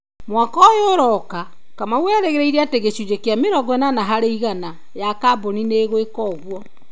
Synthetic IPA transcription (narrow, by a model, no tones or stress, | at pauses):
mwakɔjoɾɔka | kamawɛːɾɛɣeɾeiɾeateɣeɕud͡ʑekeameɾɔɡɛnanaɦaɾeiɣana | jakabonineːɣwekɔːɣwɔ